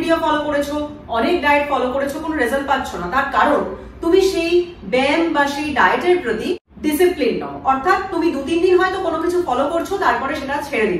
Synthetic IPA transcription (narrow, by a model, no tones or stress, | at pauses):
ɖiofɔlokoɾet͡ɕʰo | ɔnek̚ɖajeʈfɔlokoɾet͡ɕʰokonoɾezəl̚patːɕʰonat̪aɾkaɾon | t̪umiʃej | bɛmbaʃejɖajeʈeɾpɾod̪i | ɖisiplinːɔoʔɔɾt̪ʰat̪ːumid̪ud̪ind̪inɦɔet̪okonokit͡ɕʰufɔlokoɾt͡ɕʰot̪aɾpɔɾeʃeʈat͡ɕʰeɽed̪ib